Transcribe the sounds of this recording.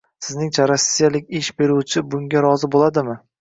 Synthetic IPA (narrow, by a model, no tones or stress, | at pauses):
sɪznɪŋt͡ʃʰaɾasːijalɪkʲɪʃbe̞ɾuwt͡ʃʰɪbʊŋɡʲaɾɒzɪbolˠad̪ɪmɪ